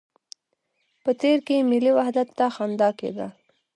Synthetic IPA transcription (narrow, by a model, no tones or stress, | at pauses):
pət̪eɾkemɪliwahd̪at̪ːaxand̪ɑkḛd̪ə̰l